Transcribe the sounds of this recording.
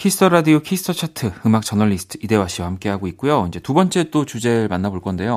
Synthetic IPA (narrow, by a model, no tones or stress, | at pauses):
kʰisɯtʰʌɾadiokʰistʰʌt͡ɕʰatʰɯɯmak̚t͡ɕ͈ʌnʌʎːisɯ̥tʰɯide̞waɕʰiwahamk͈e̞ɦaɡoik͈ujoind͡ʑe̞tubʌnt͡ɕ͈e̞t͈ot͡ɕud͡ʑe̞ɾɯɭmanːaboɭk͈ʌnde̞jo